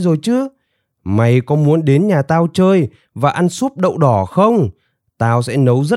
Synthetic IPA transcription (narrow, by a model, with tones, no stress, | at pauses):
zo˨˩jt͡ɕɨ˨˦ | ma˨˩jkɔ˨˦mu˨˦ənɗe˨˦nɲaː˨˩t̪aː˧wt͡ɕəː˧j | vaː˨˩ʔa˧nsu˦˥p̚ɗə̰˧˨wɗɔ˧˩xə˧wŋ͡m | t̪aː˧wsɛ̰˧˥nə˨˦wzə˦˥